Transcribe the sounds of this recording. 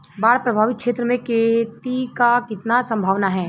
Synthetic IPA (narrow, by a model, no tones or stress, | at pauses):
baːɽpɾəbʱaːʋɪt̪̚kʃeːt̪ɾəmẽket̪ikakɪt̪nasɐ̃mbʱaːʋnaɦɛː